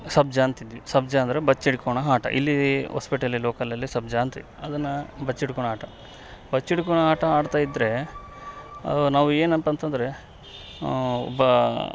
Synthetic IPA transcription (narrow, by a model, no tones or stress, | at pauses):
sɐb̚d͡ʒɐːnt̪id̪ʋisɐbd͡ʒɐːnd̪ɐɾebɐt͡ʃːiɽkoɳɐɦaːʈɐ̰ʔḭlːiɦo̰ːspiʈɐliloːkɐlɐlːisɐbd͡ʒɐːnt̪id̪iɐd̪ɐnːɐbɐt͡ʃːiɽkɔɳ̃aːʈɐ | bɐt͡ʃːiɽkoɳɐɦaːʈɐaːɖt̪aːjid̪ːɾe̞ | naːʋueːnɐnt̪ɐnt̪ɐnd̪ɐɾe̞ | ɔ̰bɐ